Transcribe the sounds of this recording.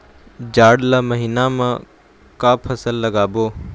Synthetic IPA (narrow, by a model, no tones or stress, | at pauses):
d͡ʒaːɖlamɐɦiːnamã | kaːpʰɐsəlːɐɡaːboː